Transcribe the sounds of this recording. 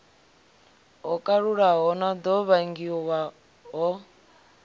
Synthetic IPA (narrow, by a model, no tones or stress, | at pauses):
ɦɔkʼaɺuɺaɦɔnad̪ɔβaŋɡiɔwa | ɦɔ